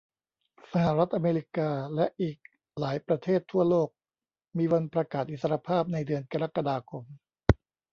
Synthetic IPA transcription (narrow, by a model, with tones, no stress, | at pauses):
sa˧ɦa˨˩ɾa˦˥t̪̚ʔa˧meː˧ɾi˦˥kaː˧lɛ˦˥ʔiː˨˩k̚ | laː˩˦jpɾa˧t̪ʰeː˥˩t̪ʰːu˥˩ɐloː˥˩k̚ | miː˧wa˧npɾa˧kaː˨˩t̪̚ʔi˨˩sa˧ɾa˧pʰaː˥˩p̚na˧jdɯ˧ənka˧ɾa˦˥ka˧daː˧kʰo˧m